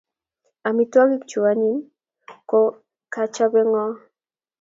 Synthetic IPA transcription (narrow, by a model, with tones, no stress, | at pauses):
a˨mi˨twɔ˦ɡi˦kt͡ʃu˨a˨ɲi˦n | ko˦ | ka˦t͡ʃa˦bɛ˦ŋɔ˦